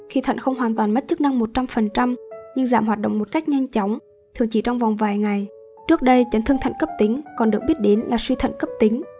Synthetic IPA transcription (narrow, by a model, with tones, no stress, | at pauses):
xi˧t̪ʰə̰˧˨ŋ̟xə˧wŋ͡mɦwaː˨˩nt̪waː˨˩nma˦˥t̚t͡ɕɨ˦˥k̚na˧ŋmo˨˩t̚t͡ɕa˧mfə˨˩nt͡ɕa˧mɲɨ˧ŋzaː˧˩mhɦaː˨˩t̚ɗo̰˧˨ŋ͡mmo˨˩t̚ka˦˥jk̚ɲa˧jŋ̟t͡ɕɔ˨˦wŋ͡m | t̪ʰɨ˨˩əŋt͡ɕi˧˩t͡ɕɔ˧wŋ͡mvɔ˨˩wŋ͡mvaː˨˩jŋa˨˩j | t͡ɕɨ˦˥ək̚ɗə˧jt͡ɕə˨˦nt̪ɨ˧ŋt̪ʰa˧˨jŋkə˦˥p̚t̪ï˨˦ŋ̟kɔ˨˩nɗɨ˨˩ək̚ɓi˦˥t̚ɗe˨˦nlaː˨˩swi˧t̪ʰə̰˧˨ŋ̟kə˦˥p̚t̪ï˨˦ŋ̟